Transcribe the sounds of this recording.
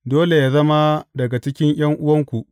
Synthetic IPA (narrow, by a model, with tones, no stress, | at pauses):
doː˦le˨ja˨zɐ˦ma˦dɐ˨ɡa˨t͡ʃɪ˦kʲɪ˦ɲj̰ɐ˦ŋʔʊ˦wɐ˦ŋkʷu˨ʔ